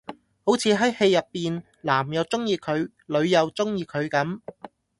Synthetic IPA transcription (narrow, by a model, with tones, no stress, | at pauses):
ho˨˥wt͡sʰiː˨˧ɦɐ˨˥jhe˧jːɐ˨pːiː˨n | laː˨˩mjɐ˨˧wt͡sʊ˥ŋjiː˧kʰɵ˨˧ɥ | lɵ˨˧ɥjɐ˨˧wt͡sʊ˥ŋjiː˧kʰɵ˨˧ɥkɐ˨˥m